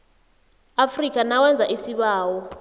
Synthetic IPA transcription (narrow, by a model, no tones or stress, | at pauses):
afrik̬ʼanawɛnd͡zʱaʔisiɓaːwɔ